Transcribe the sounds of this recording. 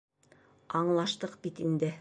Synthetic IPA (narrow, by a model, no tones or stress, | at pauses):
ɑɴlˠɑʃt̪ɤqbit̪ind̪ɘ